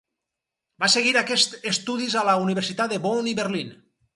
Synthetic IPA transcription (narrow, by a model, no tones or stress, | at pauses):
baseɣiɾakest̪est̪uðizalauniβ̞eɾsit̪at̪d̪eβoniβeɾlin